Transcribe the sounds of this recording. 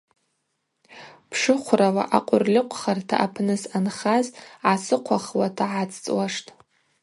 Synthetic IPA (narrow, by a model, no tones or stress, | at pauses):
pʰʂɨχʷrawa̰ʔaqʷʼʊrlʲɪqʷʰχartʰa̰ʔapʰnɨsanχazʕasɨqʷʰaχwatʰaʕat͡sʰʼt͡sʼwaʂtʼ